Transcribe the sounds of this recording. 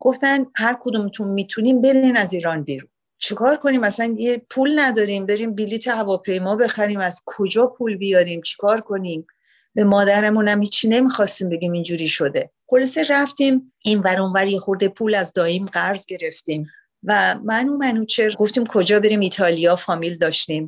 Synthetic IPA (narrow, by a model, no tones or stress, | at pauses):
ɡ̥o̞ft̪ænhæɾkʰod̪uːmet̪ʰunmit̪ʰuniːmbe̞ɾinæziːɾɒːnbiɾun | t͡ʃʰekʰɒːɾkʰo̞niːmæsænjepʰulnæd̪ɒːɾimbe̞ɾiːmbilit̪ʰehævɒːpʰe̞jmɒːbe̞xæɾiːmæz̥kʰo̞d͡ʒɒːpʰuːlbijɒɾiːmt͡ʃʰe̥kʰɒːɾkʰo̞niːm | b̥e̞mɒːd̪æɾemunæmhiːt͡ʃʰːine̞miːxɒːst̪iːmbe̞ɡʲiːmind͡ʒuːɾiːʃo̞d̪e̞χo̞lɒseɾæft̪iːm | invæɾunvæɾjexoɾd̪epʰuːlæzd̪ɒːiːmɢæɾzɡe̞ɾe̞ft̪iːm | væmænumænut͡ʃʰeɡo̞ft̪iːmkʰo̞d͡ʒɒːbe̞ɾiːmiːt̪ʰɒːlijɒːfɒːmiːld̪ɒːʃt̪im